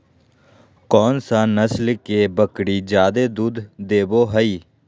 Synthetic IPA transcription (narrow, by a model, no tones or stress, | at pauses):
kɔːnsãːnəslkeːbəkɽiːd͡ʒjaːd̪eːd̪uːd̪d̪eːboːɦəiː